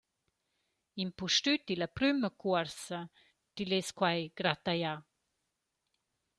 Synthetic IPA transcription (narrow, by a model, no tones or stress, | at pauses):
impuʃtyt̪iləpɾyməkuəɾsə | tileskwajɡ̥ɾat̪aja